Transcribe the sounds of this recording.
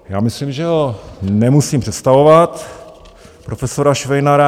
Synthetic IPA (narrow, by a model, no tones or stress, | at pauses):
jaːmɪslimʒɛɦonɛmusiːmpr̥ɛt̪st̪avovat̪ | pɾofɛsoɾaʃvɛjnaɾa